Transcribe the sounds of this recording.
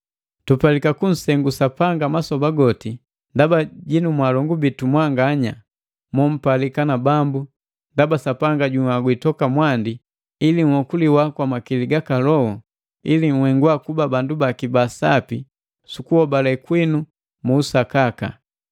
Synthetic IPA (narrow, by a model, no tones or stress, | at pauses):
tupalikakun̩sɛŋɡusapaŋɡamasɔbaɡɔti | ndabaɟinumwalɔŋɡubitumwaŋɡaɲa | mɔm̩palikanabambu | ndabasapaŋɡaɟuŋaɡwitɔkamwandi | iliŋ̩wɔkuliwakwamakiliɡakalɔhɔ | iliŋ̩wɛŋɡwakubabandubakibasa̰pḭ | sukuhɔbalɛkwinu | muːsakaka̰